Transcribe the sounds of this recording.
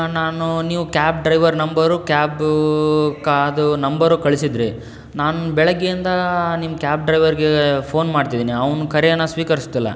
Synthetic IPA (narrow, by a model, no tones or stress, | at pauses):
naːnuniːʋukʲaːp̚ɖɾɐjʋɐɾnɐmbɐɾukaːb | kɐd̪unɐmbɐɾukɐɭisid̪ɾi | naːnubɛɭɐɡːeind̪ɐnimɐkʲaːp̚ɖɾɐjʋɐɾɡepʰoːnmaːɖt̪id̪iːniɐʋnukɐɾɛɐnːɐsʋiːkɐɾist̪ilːɐ̰